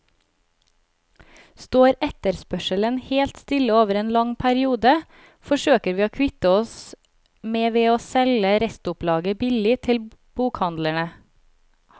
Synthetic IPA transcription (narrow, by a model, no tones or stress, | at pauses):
st̪oːɾɛt̪əɾspœʃələnheːlt̪st̪ɪləoːʋəɾeːnlɑŋpʰæɾɪuːd̪ə | fɔʃøːkəɾʋiːoːkʰʋɪt̪əɔs | meːʋeːoːsɛləɾɛst̪ʊplɑːɡəbɪlɪt̪ʰɪlb̥uːkhɑnd̪læɳə